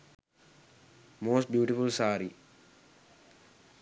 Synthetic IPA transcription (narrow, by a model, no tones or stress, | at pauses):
moːsʈ̚bjuːʈifulsaːɾi